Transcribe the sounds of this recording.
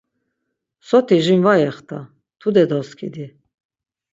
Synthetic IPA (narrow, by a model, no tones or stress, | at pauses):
sɔt̪ʰiʒimvajɛχt̪ʰa | t̪ʰud̪ɛd̪ɔskʰḭd̪i